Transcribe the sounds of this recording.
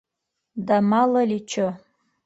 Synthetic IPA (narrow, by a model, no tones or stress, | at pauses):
damalalit͡ʃʰo